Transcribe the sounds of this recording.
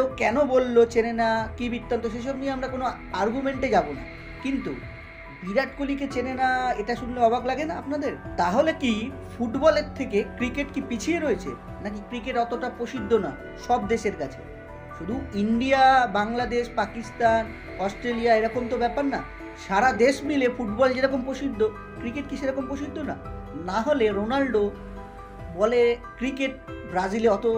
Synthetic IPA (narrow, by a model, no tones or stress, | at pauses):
okɛnobolːot͡ɕenenakibit̪ːant̪oʃejʃɔbnieamɾakono | aɾɡumeɳʈed͡ʑabona̰ | kint̪u | biɾaʈkolik̬et͡ɕenenaeʈaʃunloɔbʱaklaɡenaapnad̪eɾt̪aɦoleki | fuʈbɔleɾt̪ʰːekekɾikeʈkipit͡ɕʰieɾoet͡ɕʰḛ | nak̬ikɾikeʈɔt̪oʈapɾoʃid̪ʱːona̰ | ʃɔb̚d̪eʃeɾkat͡ɕʰe̥̰ | ʃud̪ʱuiɳɖiabaŋlad̪eʃpakist̪an | ɔsʈɾeliaeɾɔkomt̪obɛpaɾna̰ | ʃaɾad̪eʃmilefuʈbɔld͡ʑeɾɔkompɾoʃid̪ʱːo | kɾikeʈ̚kiʃeɾɔkompɾoʃid̪ʱːona̰ | naɦoleɾonalɖo | bɔlekɾikeʈ̚bɾad͡ʑileɔt̪o